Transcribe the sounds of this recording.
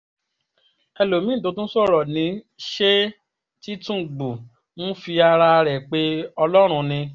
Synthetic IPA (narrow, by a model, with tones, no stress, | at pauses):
ɛ˧lo˨mĩ˦˨to˨˧˦tũ˦sɔ˦˨ɾɔ˨nĩ˨˦ | ʃe˦ | ti˦tũ˦˨ɡ͡bu˨ | mũ˦fi˧a˧ɾa˧ɾɛ˨k͡pe˧˦ɔ˧lɔ˦ɾ̃ũ˧nĩ˧